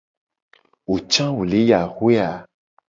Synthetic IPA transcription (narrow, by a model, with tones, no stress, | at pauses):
wo˨t͡ʃã˦wo˨le˦ja˨hwe˦a˨